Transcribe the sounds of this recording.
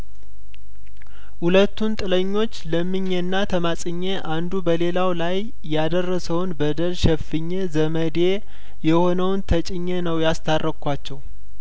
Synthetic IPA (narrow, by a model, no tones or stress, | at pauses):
hulət̪ːunt̪ʼɨləɲːo̞t͡ʃːləmːɨɲːenːat̪ʰəmasʼɨɲːeʔand̪ubəle̞lawlajː | ad̪ərːəsəwnbəd̪əlʃɛfɨɲːezəməd̪e | jɛho̞nəwnt̪ʰət͡ʃʼɪɲːenəwjast̪ʰarːʔəkʰʷat͡ʃːɛw